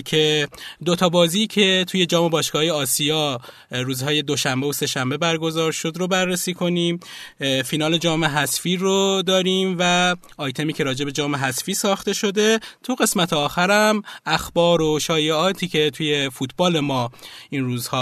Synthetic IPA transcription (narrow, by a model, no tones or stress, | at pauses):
cʰe̞d̪o̞t̪ʰɒːbɒːziːcʰe̞t̪ʰuːje̞d͡ʒɒːmo̞bɒːʃɡɒːjeɒːsijɒː | ɾuːzɦɒːje̞d̪o̞ʃæmbeose̞ʃæmbe̞bæɾɡo̞zɒːɾʃo̞d̪ɾobærːesiːkʰo̞niːmfinɒːle̞d͡ʒɒːme̞ɦæsfiːɾod̪ɒːɾiːmvæ | ʔɒːjt̪ʰe̞miːcʰe̞ɾɒːd͡ʒe̞be̞d͡ʒɒːme̞ɦæsfiːsɒːxt̪e̞ʃo̞d̪e̞t̪ʰuɣe̞smæt̪ʰeɒːxæɾæmʔæxbɒːɾoʃɒːjeɒːt̪ʰiːcʰe̞t̪ʰuːje̞fuːt̪ʰbɒːle̞mɒːinruːzhɒː